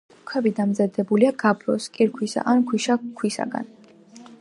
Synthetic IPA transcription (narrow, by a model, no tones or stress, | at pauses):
ukʰwɛbid̪amzad̪ɛbuliaɡabɾɔ̰skʼiɾkʰwisa̰ʔankʰwiʃakʰwisa̰ɡa̰n